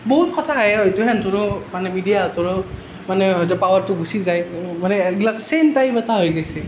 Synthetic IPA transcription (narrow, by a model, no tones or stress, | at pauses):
boɦut̚kɔtʰaɦɛojtuɦɛntʊɹʊmanɛmidijatʊɹɔ | manɛzɔpawaɹtʊɡusizajmanɛɡlaksentajbataɦojɡesɛ